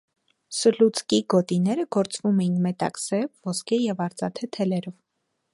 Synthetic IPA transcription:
səlut͡skiɡɔt̪inɛɾəɡ̥ɔɾt͡svumɛjinmɛt̪ɑ̰ksɛvvɔskʰɛjɛvɑɾt͡sɑt̪ʰɛt̪ʰɛlɛɾɔv

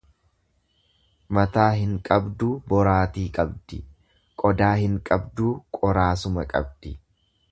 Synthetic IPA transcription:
mɐt̪aːɦɪŋkʼɐbd̪uːbɔɾaːt̪iːkʼɐbd̪ɪ | kʼɔd̪aːhɪŋkʼɐbd̪uːkʼɔɾaːsʊmɐkʼɐ̰bd̪̥ɪ

